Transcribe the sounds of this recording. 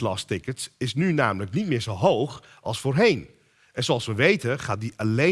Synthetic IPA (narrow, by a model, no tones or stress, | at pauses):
lɑ̰stɪkətsɪsnynaːmələknitmɪːɹzowɦowχ | ʔɑlˠsfoːrɦejn | ʔɛnzoɑlˠsʋəʋejtənχaːt̚diʔale